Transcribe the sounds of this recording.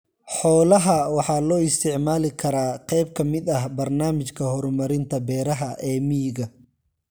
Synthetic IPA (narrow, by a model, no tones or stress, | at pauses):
ħɔːlɐɦɐwɑħɑːlɔːɪst̪ʰɪʕmaːlɪkʰɐɾaːqɛjb̚kʰɐmɪd̪ɐɦbɐrnaːmɪt͡ʃkʰɐhɔɾʊmɐɾɪnt̪ʰɐbɛːɾɐɦɐʔɛːmijɣɐ